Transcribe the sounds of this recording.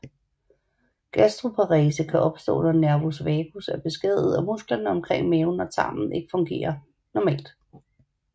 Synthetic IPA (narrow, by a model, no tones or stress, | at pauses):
ɡ̥æsd̥ʁo̝pʰɑ̈ʁiːsəkʰæʔɒ̽b̥sd̥ɔ̰ːnɒnæɐʋo̝sʋɛːɡ̥usæɐb̥e̝sɡ̥eð̞̰ˠð̩ˠæmusɡ̥lɐnəɒ̽mkʰʁeŋ̰meʊnɒt͡sʰɑ̰̈ːmn̩ˠe̝ɡ̥əfɔ̽ŋɡ̥e̝̰ːɐ | nɒmɛ̰ːld̥